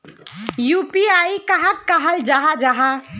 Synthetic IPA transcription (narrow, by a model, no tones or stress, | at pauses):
jupiaikəɦakːəɦəld͡ʒaɦad͡ʒaɦa